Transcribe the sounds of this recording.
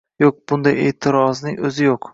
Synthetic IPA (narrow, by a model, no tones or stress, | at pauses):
joq̚b̥ʊnd̪ajḛːt̪ʰɪɾɒznɪŋɵzɪjoq